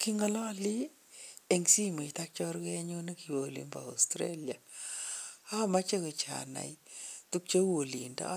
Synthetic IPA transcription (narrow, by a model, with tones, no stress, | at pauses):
ki˦ŋɔ˦lɔ˦li˦ | e˨ŋsi˦me˨ta˦k̚t͡ʃɔ˦ɾkɛ˦ɲu˦ni˦ki˨wo˨lḭ˨mba̰˨a˨stɾḛ˦lja˨ | a˦ma˦t͡ʃe˦ke˨t͡ʃa̰˨na̰˨jtu˦k̚t͡ʃo˦o˨li˨nda̰˦